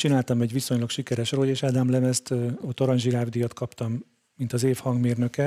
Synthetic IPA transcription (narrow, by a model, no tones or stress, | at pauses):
t͡ʃinaːlt̪ɒmɛɟʋiso̞ɲlɒkʃikɛɾɛʃroːjeːʃaːd̪amlɛmɛst̪ot̪ːoɾɒɲʒiɾaːvd̪ijɒt̪kʰɒpt̪ɒmː | int̪ɒzeːfhɒŋɡmeːrnø̞kɛ